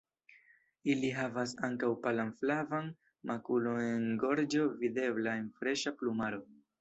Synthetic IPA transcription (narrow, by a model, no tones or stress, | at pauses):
iliɦavasaŋkawpalanflavan | mʔakulo̞ne̞nɡo̞ɾd͡ʒo̞vide̞blae̞nfɾe̞ʃaplumaɾo̞